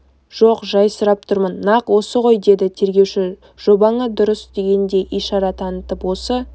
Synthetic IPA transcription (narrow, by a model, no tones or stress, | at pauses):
ʒ̥oqʒɑjsəɾɑp̚t̪ʰʊɾmənːɑqwo̞səʁo̞jd̪e̞d̪ɪt̪ʰe̞ɾɡʲe̞wʃɪ | ʒ̥o̞bɑɴəd̪ʊɾəsd̪̥e̞ɡʲe̞nd̪e̞ʔijʃɑɾɑt̪ʰɑnət̪əpwo̞sə